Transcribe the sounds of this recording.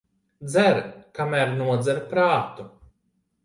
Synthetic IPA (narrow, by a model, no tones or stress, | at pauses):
d̪zæɾkamæɾnuɔd̪zæɾpɾaːt̪u